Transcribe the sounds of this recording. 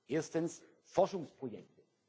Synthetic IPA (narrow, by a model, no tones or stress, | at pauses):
ʔeːɐstəns | fɔʃʊŋspʁ̥ojɛk̚tə